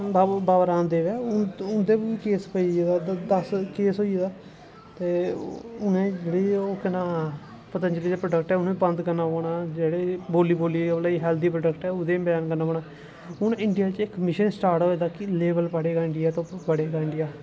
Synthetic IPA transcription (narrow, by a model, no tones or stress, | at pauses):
babaːʋəɾãːnd̪eːʋɛːʊʊnd̪eːbiːiːkeːspəiːd̪aːd̪əskeːsɦoːied̪aː | t̪eːʊnẽːd͡ʒeːɽeːoːkənaː | pət̪and͡ʒeleːapɾəɖəkʈɛːʊnẽːbə̃nd̪kənaːoːɽaːd͡ʒeːɽeːboːliːboːliːbəlaːɦɛːld̪iːpɾəɖəkʈɛːʊd̪ẽːbɛːnkənːaːoːɳaː | ʊnɪɳɖɪjaːt͡ʃɪkmɪʃənsʈaːɾʈɦoːeːd̪aːkɪleːbəlpəɽeːɡaːɪɳɖɪjaːt̪õːpəɽeːɡaːɪ̃ɳɖɪjaː